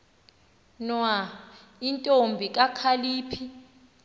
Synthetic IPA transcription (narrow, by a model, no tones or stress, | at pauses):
nwa | intʼombʱikʼakʰaliːpʰi